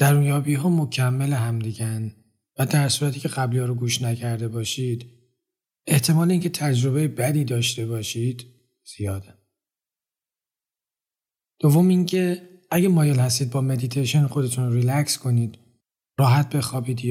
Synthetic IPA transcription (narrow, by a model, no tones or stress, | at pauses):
d̪̥æɾuːnjɒːbiːɦɒːmo̞cʰæmːeleɦæmd̪iɟæn | væd̪æɾsuːɾæt̪ʰiːcʰe̞ɣæblijɒːɾoɡuːʃnæcʰæɾd̪e̞bɒːʃiːd̪̥ | e̞ht̪ʰe̞mɒːleiːŋcʲʰe̞t̪ʰæd͡ʒɾo̞be̞jebæd̪iːd̪ɒːʃt̪e̞bɒːʃid̪̥ | z̥ijɒːd̪æ | d̪̥o̞vːo̞miːŋcʰe̞ | æɟemɒːjelhæst̪iːd̪̚bɒːme̞d̪it̪ʰejʃonxo̞d̪e̞t̪ʰunoɾilæcskʰo̞niːd̪̥ | ɾɒːɦæt̪̚be̞xɒːbiːd̪i